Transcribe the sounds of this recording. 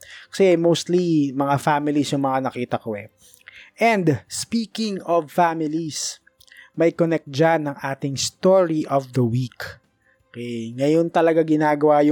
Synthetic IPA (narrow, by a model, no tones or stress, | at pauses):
kɐ̥sɛɐjmowst̪limɐŋafamɪlisjʊŋmɐŋanɐkiːt̪ɐkoɛ̰ | ʔɛnd̪spiːkɪŋɔvfamɪlis | mɐjkonɛk̚t̪̚d͡ʒanːɐŋʔaːt̪ɪŋst̪oɹiʔɔvd̪ɐwik | okɛŋɐjont̪ɐlɐɡaɡɪnaːɡɐwaj